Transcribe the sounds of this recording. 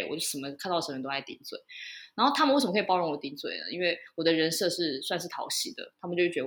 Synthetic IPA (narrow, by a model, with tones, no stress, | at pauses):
wɔ̰˨˩t͡ɕo˥˩ʂə˨˩mə˧˦kʰa˥˧t̪ɑ˥˩˧t̪o˥a˧˥ɪt̪ḭ˧˥nt͡swe˥˩ɪna˧˥nxo˥˩ʊt̪ʰa˥mə˨nwe˥˩ʂə˨m˧kʰpɑ˥ʊɻɔ˧˥ŋwɔ˨˩t̪i˧˥nt͡swe˥˩ɪnə̰˦i˥nwe˥˩ɪwɔ˨˩d̪ə˦ɻə˧˥nsɤ˥˧ʂɻ̩˥˩swa˥˧nʂɻ̩ʰ˥˩ɑ̰˨˧˥ʊɕi˧˥d̪ə̰˧˦t̪ʰa˥mə˨t͡ɕjʊʂ̩˥˩t͡ɕɛ˧˦ə